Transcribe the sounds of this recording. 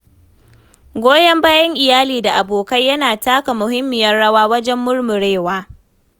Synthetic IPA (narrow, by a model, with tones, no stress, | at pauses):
ɡʷoː˦jɐ˦mbaː˦jɐ˦ŋʔɪ˨jaː˦liː˨da˨ʔa˨boː˨kɐ˦jɐ˦naː˨taː˦ka˨mʊ˨ɦɪ˦mːɪ˨jɐ˦rɽɐ˦waː˦wɐ˦d͡ʒɛ˦mːʊ˦rmʊ˨ɽeː˦˨waː˦